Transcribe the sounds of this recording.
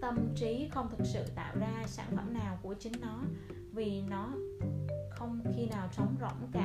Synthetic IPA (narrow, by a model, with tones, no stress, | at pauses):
t̪ə˧mt͡ɕi˨˦xə˧wŋ͡mt̪ʰɨ˨˩k̚sɨ̰˧˨t̪a̰ː˧˨wzaː˧sa̰ː˧˩nfə˧˩mnaː˨˩wku˧˩ət͡ɕï˨˦ŋ̟nɔ˨˦ | vi˨˩nɔ˨˦ | xə˧wŋ͡mxi˧naː˨˩wt͡ɕə˨˦wŋ͡mzo̰˧˩˨wŋ͡mkaː˧˩